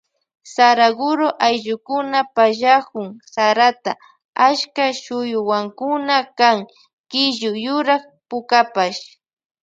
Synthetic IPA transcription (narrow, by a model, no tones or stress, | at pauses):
saɾaɡʊɾoʔajʒʊkʊnapaʒakʊŋsaɾat̪a | aʃkaʃʊjʊwaŋkʊnakaŋ | kɪʒʊjʊɾaχ | pʊkapaʃ